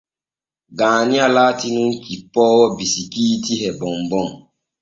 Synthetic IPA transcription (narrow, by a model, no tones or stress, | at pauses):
ɡaːnialaːtinuŋ̩kipːɔːwɔbisikiːtiɦɛbɔmbɔŋ